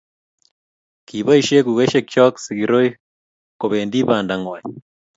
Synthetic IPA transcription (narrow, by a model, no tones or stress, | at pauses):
kiβaiʃekuɣeʃekt͡ʃoksiɡiɾoi | koβeːndiβaːndaŋwa